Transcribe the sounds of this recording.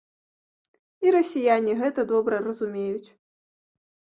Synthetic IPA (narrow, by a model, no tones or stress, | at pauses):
iɾɐsʲijanʲiɣɛt̪ɐd̪ɔbɾɐrɐzumʲejut͡sʲ